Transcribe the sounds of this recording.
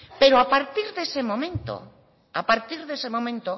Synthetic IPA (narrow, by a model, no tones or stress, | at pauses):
pe̞ɾoapaɾt̪iɾðese̞mõ̞mẽ̞nt̪o̰ | apaɾt̪iɾðe̞semõ̞mẽnt̪o